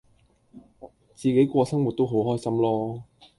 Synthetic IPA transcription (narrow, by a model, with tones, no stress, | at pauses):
t͡siː˨ke˨˥jkʷɔː˧sɐ˥ŋwu˨t̚t̪o˥wɦo˨˥wɦɔː˥jsɐ˥mlɔː˥